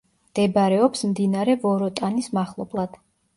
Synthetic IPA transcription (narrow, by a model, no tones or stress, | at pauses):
md̪̥ɛbɾɛɔpsmd̪inaɾɛvɔɾɔt̪ʼanismaχlˠɔblˠad̪̥